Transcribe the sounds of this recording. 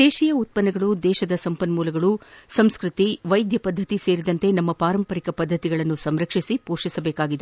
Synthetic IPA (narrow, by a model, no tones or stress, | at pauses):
d̪eːʃijɐut̪̚pɐnːɐɡɐɭud̪ɛːʃɐd̪ɐsɐmpɐnmuːlɐɡɐɭusɐmskɾɨt̪iʋɐjd̪jɐpɐd̪ʱːɐt̪ise̞ːɾid̪ɐnt̪e̞nɐmːɐpaːɾɐmpɐɾikɐpɐd̪ʱːɐt̪iɡɐɭɐnːusɐmɾɐkʂisipoːʂisɐbɛːkaːɡid̪e